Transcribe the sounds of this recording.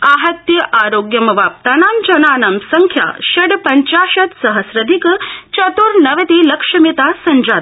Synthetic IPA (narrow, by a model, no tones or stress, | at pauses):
aːɦɐt̪jɐʔaːɾoːɡjɐmɐʋaːp̚t̪aːnaːmd͡ʒɐnaːnɐmsɐŋkʰja̰ːʃɐɽpɐɲt͡ʃaːʃɐt̪sɐɦɐsɾɐd̪ʱikt͡ʃɐt̪uɾnɐʋɐt̪iːlɐkʂɐmit̪aːsɐɲd͡ʒaːd̪